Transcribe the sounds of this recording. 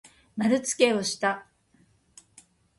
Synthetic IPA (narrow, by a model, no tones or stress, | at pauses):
naɾɯ̟t͡sɨ̥ke̞o̞ɕi̥t̪a